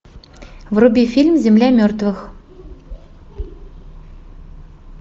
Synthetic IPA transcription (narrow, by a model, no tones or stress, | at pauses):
vrubʲifʲilʲmzʲemlʲæmʲørt̪vɘ̆x